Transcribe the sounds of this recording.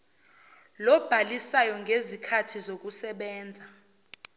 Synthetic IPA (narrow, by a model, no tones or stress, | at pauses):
lɔb̥ʱalisajɔŋɡʱezikʰatʰizok̬usɛɓɛːnd͡zʱa